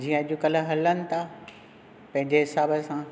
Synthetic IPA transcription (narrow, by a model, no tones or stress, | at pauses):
d͡ʑiːə̃ɐʄukɐl̆ɦɐlənɪ̆t̪ʰa | pɐ̃ɦɪ̃ɲd͡ʑeɦɪsaːbəsãː